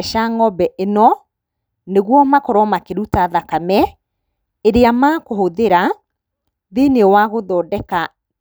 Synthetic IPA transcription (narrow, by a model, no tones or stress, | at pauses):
ʃaŋɔbɛʔenɔ | neɣwɔmakɔɾɔmakeɾutaðakamɛ | eɾeamaːkohoðeɾa | ðenewaɣoðɔːdɛka